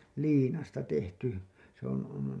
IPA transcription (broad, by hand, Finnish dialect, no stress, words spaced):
liːnɑstɑ tehty se on on